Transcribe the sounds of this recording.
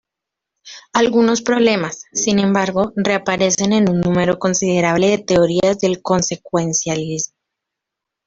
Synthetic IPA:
alɣuno̞spɾo̞β̞le̞masːinẽ̞mbaɾɣo̞re̞apaɾe̞se̞ne̞nunːũme̞ɾo̞ko̞nsiðe̞ɾaβle̞ðe̞t̪e̞oɾiazðe̞lko̞nse̞kwe̞nsjalizmo

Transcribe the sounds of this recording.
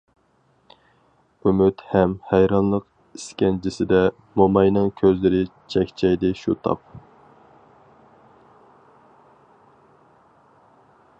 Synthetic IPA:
ymyt̪hɛmhæjɾɑnlˠəq | iskʲɛnd͡ʒʰisɪd̪ɛ | momɑjnɨŋkʲʰøzlɪɾɪt͡ʃʰɛkʲt͡ʃʰɛjd̪ɪʃut̪ʰɑ̰p̚

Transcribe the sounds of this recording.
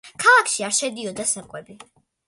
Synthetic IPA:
kʰalˠakʰʃiaɾʃɛd̪iɔd̪asakʼwɛbi

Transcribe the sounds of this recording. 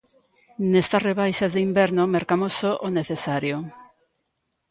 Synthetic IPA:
nest̪ɐsreβ̞ajʃazðeimbɛɾnomeɾkamosoʔoneθesaɾjo

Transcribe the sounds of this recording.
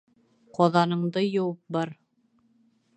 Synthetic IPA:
qɒðɑnɤ̆ɴd̪ɤjŏwɤp̚bɑɾ

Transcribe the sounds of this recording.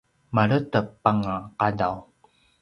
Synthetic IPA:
maɭətəpːaŋaqadaw

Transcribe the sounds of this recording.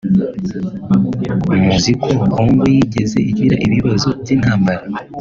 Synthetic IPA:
umuzikʰokoːŋɡojiɟe̞ze̞̰ʔiɟwiːɾaʔiβiβazoinhaːmbaɾa

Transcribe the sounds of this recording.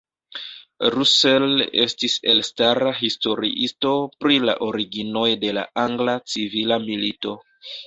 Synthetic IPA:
ɾusele̞̰stise̞̰lstaɾaɦisto̞ɾḭʔisto̞pɾila̰ʔo̞ɾiɡino̞jde̞la̰aŋɡlat͡sivilamilito̞

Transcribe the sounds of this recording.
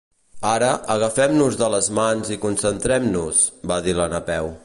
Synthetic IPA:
aɾəʔəɣəfɛmnuzðələzmanzikunsənt̪ɾɛmnusbaðilənəpɛw

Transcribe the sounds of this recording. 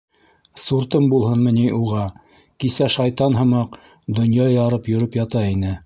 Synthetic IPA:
suɾt̪ɤmbulˠhɤnmɘ̆niʔuʁɑ | kisæʃɑjt̪ɑnɦɤ̆mɑq | d̪ŏnjɑjɑɾɤpjɵ̆ɾɵpjɑt̪ɑinɘ

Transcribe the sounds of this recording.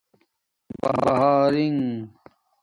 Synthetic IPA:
bɐ̰bɐɦaːɾiŋ

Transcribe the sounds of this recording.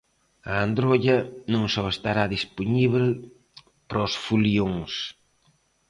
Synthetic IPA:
aand̪ɾoʎɐnũŋsɔest̪aɾaðisponiβel | pɾosfulioŋs

